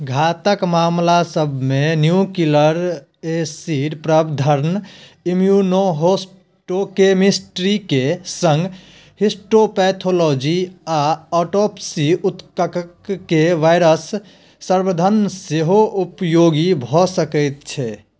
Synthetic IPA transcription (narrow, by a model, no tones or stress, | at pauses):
ɡʱat̪əkmamlasəbʱmenjukiləɾ | esiɖpɾəbd̪ʱəɾnimjunoɦos | ʈokemisʈɾikesə̃ŋɡ | hisʈopɛt̪ʰolod͡ʒiaɔʈopsiut̪kəkəkːeʋaɪɾəsː | əɾbəd̪ʱənseɦoʔupjoɡibʱɔsəkəjt̪̚t͡ʃʰɛ